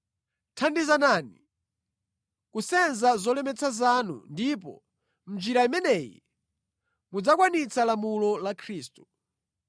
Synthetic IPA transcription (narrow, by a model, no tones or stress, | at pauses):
tʰandizanani | kusɛnzazɔlɛmɛt͡sʰazanṵndip̬ɔ̰ | m̩d͡ʒiɾaimɛnɛːjɛ̰ | mud͡zakwanit͡sʰalamulɔlakʰɾiːstu̥